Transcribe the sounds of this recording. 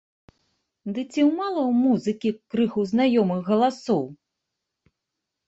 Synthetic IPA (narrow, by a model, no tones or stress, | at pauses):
d̪ɨt͡sʲiwmalˠɐwmuzɨkʲikɾɨxuznajɔmɨxɣɐlˠasɔw